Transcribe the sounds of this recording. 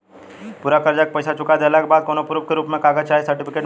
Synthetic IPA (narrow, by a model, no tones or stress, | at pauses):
puɾakəɾd͡ʒak̚pəjsat͡ʃʊkad̪elakbaːd̪̚koːnopɾuːp̚keɾuːpmẽkaːɡət͡ʃaːɦisəɾʈipikeːʈ